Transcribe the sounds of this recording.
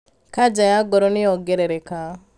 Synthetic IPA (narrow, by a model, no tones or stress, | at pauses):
kad͡ʒajaɡɔɾɔnɪɔɡɛɾɛɾɛka